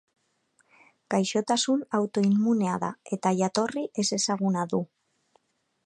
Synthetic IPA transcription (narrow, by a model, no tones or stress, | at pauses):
ɡ̥ajʃo̞t̪asunawt̪o̞imːune̞aða̰e̞t̪aʝat̪o̞riʔe̞se̞saɣunaðu